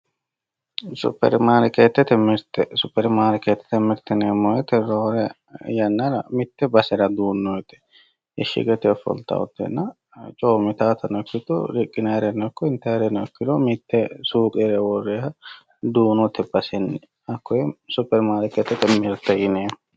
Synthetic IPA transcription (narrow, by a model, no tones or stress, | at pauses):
sʊ̰pːɛ̰ɾmaːɾɪkeːt̪ːɛt̪ɛmɪɾt̪ɛsʊpːɛɾmaːɾket̪ːɛ̥t̪ɛmɪɾt̪ɛneːmːɔjɛt̪ɛɾoːɾɛ | jɐnːɐɾɐmɪt̪ːɛbɐsɛɾɐd̪uːnːɔɛt̪ɛ̥ | ɛʃɪ̰ɡɛt̪ɛfɔ̰lt̪ɐ̰ɔ̰t̪ːɛ̰nːɐ | t͡ʃʼoːmɪt̪aːt̪ʰɐnɔkːɪt̪ɔɾɪkʼːɪnɐjɾɛnːɔkːɔɪnt̪ɐjɾɛnɔkːɪd̪ɔmɪt̪ːɛsuːkʼɛɾɛwɔrːɛːhɐ | d̪uːnɔt̪ːɛbɐsɛnː | ɐkːɔjɛsʊpːɛɾmaːɾɪkːɛt̪ːɛt̪ɛmːɪɾt̪ːɛjɪneː